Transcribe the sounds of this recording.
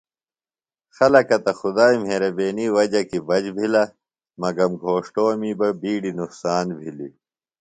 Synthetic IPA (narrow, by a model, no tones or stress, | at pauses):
xɐlɐkɐt̪ɐxud̪aːim̤eɾɐbeːniwɐd͡ʑɐkibɐd͡ʑbʱilɐ | mɐɡɐmɡʱoːʂʈoːmiːbɐbiːɽinuqsaːnbʱili